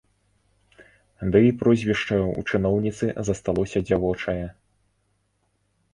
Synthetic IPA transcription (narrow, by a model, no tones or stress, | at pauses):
d̪ɨipɾɔzʲvʲiʂt͡ʂɐjṵt͡ʂɨnɔwnʲit̪sɨzɐst̪alˠɔsʲɐd͡zʲavɔt͡ʂɐjɛ